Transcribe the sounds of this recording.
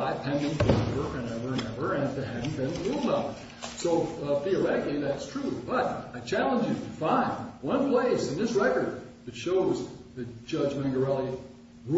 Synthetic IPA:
aɪpʰɛ̃ndɪ̃ŋfəwə˞wɨ̃nɛvə˞ɨ̃nɛvə˞ɨ̃nðɨhæd̃n̩bɨ̃nulˠdʌp | soʊfiə˞ɛkiðætstʰɹ̥ubʌɾaɪt͡ʃʰælˠə̃nd͡ʒɨɾɨfãɪ̃ndwʌ̃npʰl̥eɪsɨ̃nðɪsɹɛkə˞d̪̚ðɨtʃoʊzðɨd͡ʒʌd͡ʒmæ̃ŋɡə˞ɛlˠi

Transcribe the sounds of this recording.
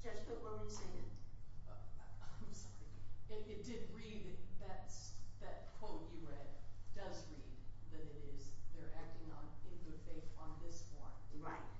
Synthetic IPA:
ʒ̥ʌsb̥ʊtwʌwɨ̃nsẽɨ̰̃nʌãɪ̃msɑɹiɪɪt̚d̥ɪd̚ɹid̪̚ɨðɨtsðɨt̚kʰw̥oʊtɨɹɛd̚dʌzɹid̪̚ðɨɾɨɾɪzðə˞ʔæk̚tɪ̃ŋə̰̃nɪ̃t̚ɨd̚θeɪfʌ̃nðɪswʌ̰̃nɹaɪt̚

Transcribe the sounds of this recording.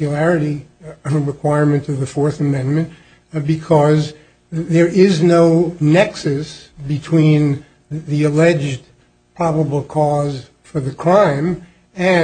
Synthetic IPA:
jɨlæɹɨɾiɹɨkʰw̥aɪɹmɨ̃ntʌvðɨfɔɹθɨmɛ̃nmɨ̃nt | bɨkʰʌz | ðə˞ʔɪznoʊnɛksɨsbɨtʰw̥ĩn | ðiɨlɛd͡ʒd | pʰɹ̥ɑbəbl̩ˠkʰɔz̥ | fə˞ðɨkʰɹ̥ãɪ̃m | ɨ̃

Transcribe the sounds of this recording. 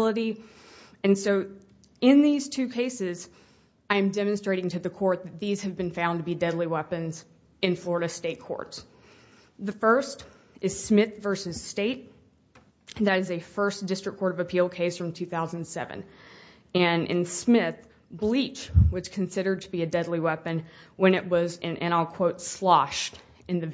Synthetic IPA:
lˠəɾi | ɨ̃nsoʊ | ɪ̃nðiz̥tʰʉkʰeɪsɪz | aɪɨ̃mdɛmɨ̃nstɹ̥eɪɾɪ̃ŋtʰɨðɨkʰɔɹt̪̚ðɨt̪̚ðiz̥ɨvbɨ̃nfãʊ̃ntəbidɛdˡliwɛpɨ̃nz | ɨ̃nflɔɹəɾɨsteɪt̚kʰɔ̰ɹts | ðɨfɜ˞st | ɨz̥smɪθvɜ˞sɨz̥steɪt̚ | ðɨɾɨzɨfɜ˞sd̥ɪstɹ̥ɨkʰːɔɹɾʌvɨpʰilˠkʰeɪsfɹʌ̃mtʰʉθaʊz̃n̩sɛ̰vɨ̰̃n | ɨ̃nʔɨ̰̃nsmɪθ | blit͡ʃwɨz̥kʰɨ̃n̩sɪɾə˞d̚tʰəbiɨdɛdˡliwɛpɨ̃nwɨ̃ñɨʔ̚wʌzɨ̃nʔɨ̃ɾ̃lkʰw̥oʊtslɑʃt | ɨ̃nðɨ

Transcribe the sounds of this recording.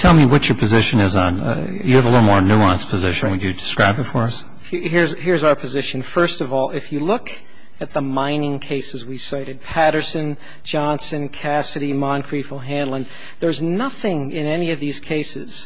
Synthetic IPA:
tʰɛlˠmiwʌt͡ʃə˞pʰɨzɪʃɨ̃nɨzn̩̰ | jɨːvəlɪɾl̩ˠmɔɹnuɑ̃nspʰɨzɪʃɨ̃nwɨd͡ʒɨdɨskɹaɪbɨtfə˞ʌs | hhiɹzhɪɹzaʊə˞pʰɨzɪʃɨ̃nfɜ˞stʌvɔlˠɪfjɨlʊk | ɨt̪̚ðəmãɪ̃nɪ̃ŋkʰeɪsɨzwisaɪɾɨd̚pʰæɾə˞sɨ̃n | d͡ʒɑ̃nsɨ̃nkʰæsɨɾimɑ̃nkʰɹ̥ifl̩ˠɦæ̃ndˡlˠə̃n | ðə˞znʌθɪ̃ŋɪ̃nɛniʌvðiz̥kʰeɪsɪz̥

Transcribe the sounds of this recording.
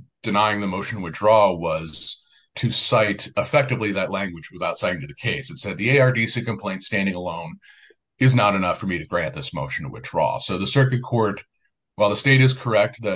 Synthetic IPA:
d̥ɨnaɪɪ̃ŋðɨmoʊʃn̩wɨd̚dɹɔwʌz̥ | tʰɨsaɪɾəfɛk̚tɨvliðɨtˡlæ̃ŋɡwɨd͡ʒwɨθaʊtsaɪɾɪ̃ŋtʰɨðɨkʰeɪsɨtsɛd̪̚ðieɪɑɹdisikɨ̃mpʰl̥ẽɪ̃ntstæ̃ndɪ̃ŋəlõʊ̃n | ɨznəɾɨnʌfə˞miɾɨɡɹæ̃nðɪsmo̰ʊʃn̩wɨ̰d̚dɹɔ̰soʊðɨsɜ˞kɨd̚kʰɔɹt̚ | waɪlˠðəsteɪɾɨz̥kʰə˞ɛk̚t̪̚ðɨ

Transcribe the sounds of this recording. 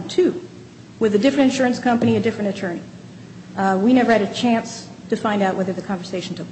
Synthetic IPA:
tʰʉ | wɨðɨdɪfɹɨ̃ntɨ̃nʃʊɹɨ̃nskʰʌ̃mpɨɾ̃iɨdɪfɹɨ̃ñɨtʰɜ̃˞ni | winɛvə˞ɨɾɨt͡ʃʰæ̃ns | tʰɨfãɪ̃ndaʊʔ̚wɛðə˞ðɨkʰɑ̃ɱvə˞seɪʃn̩tʰʊk̚

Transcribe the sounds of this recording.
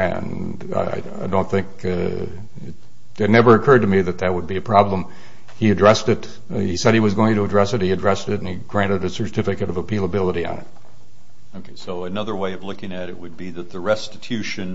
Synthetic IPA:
ɨ̰̃n | a̰a̰ɪaɪdõʊ̃nθɪ̃ŋk | ɪt | ɨtⁿnɛvə˞ɨkʰɜ˞d̚tɨmiðɨt̪̚ðɨt̚wəd̚biɨpʰɹ̥ɑblə̃m | iɨdɹɛstɨt | isɛɾ̚iwʌzɡoʊɪ̃ŋtɨədɹɛsɨt̚hiɨdɹɛstɨɾn̩iɡɹæ̃ñɨɾɨsə˞tʰɪfɨkɨɾʌvəpʰelˠəbɪlˠəɾiɨ̰̃nɨ̰t̚ | oʊkʰeɪsoʊɨnʌðə˞weɪʌvlʊkɪ̃ŋɨɾɨ̰ʔ̚wɨd̚biðɨt̪̚ðɨɹɛstɨtʰʉʃɨ̃n

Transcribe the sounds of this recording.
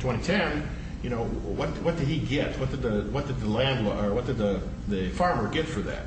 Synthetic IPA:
tʰw̥ɛ̃ɾ̃itʰɛ̃n | jɨñoʊwʌt̚wʌt̚d̥ɨd̚iɡɛt̚wʌt̚d̥ɨd̪̚ðɨwʌt̚d̥ɨd̪̚ðəlæ̃nd̚wə˞wʌt̚d̥ɨd̪̚ðə | ðɨfɑɹmə˞ɡɛtfə˞ðæ̰t̚

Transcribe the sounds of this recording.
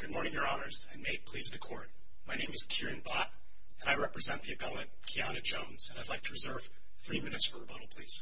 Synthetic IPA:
ɡ̥ʊd̚mɔɹnɪ̃ŋjə˞ɑnə˞zɨ̃meɪpʰl̥izdɨkʰɔ̰ɹt̚ | maɪnẽɪ̃mɨz̥kʰɪɹɨ̃nbɑɾ | ɨ̃naɪɹɛpɹɨzɛ̃nðiɨbʰɛɾl̩ˠɨ̃nkʰiɑnɨd͡ʒõʊ̃nz̥ɨ̃naɪdlaɪk̚tʰəɹɨzɜ˞v̥ | θɹimɪ̃nɨtsfə˞əbʌɾl̩ˠpʰl̥iz̥

